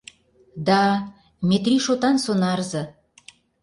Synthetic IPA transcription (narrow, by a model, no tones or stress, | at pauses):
d̪ɑ | mʲet̪rʲiʃot̪ɑnsonɑrzɤ̆